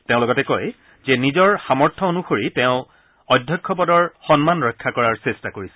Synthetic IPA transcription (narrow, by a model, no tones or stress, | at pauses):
tẽʊ̃lɔɡɔtɛkoj | zɛnizɔɹxamɔɹtʰɔonuxoɹiteʊ̃ | ɔdʱjɔkʰːɔp̬ɔdɔɹxɔnmanɹɔjkʰːakɔɹaɹsestakoɹisɛ̥